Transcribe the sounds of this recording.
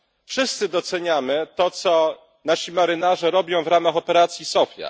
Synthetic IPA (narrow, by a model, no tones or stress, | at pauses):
fʂɘst̪sɘd̪ɔt̪sɛɲamɘt̪ɔt̪sɔ | naɕimaɾɘnaʐɛɾɔbʲjɔ̃w̃vɾamaxɔpɛɾat̪sʲjisɔfʲja̰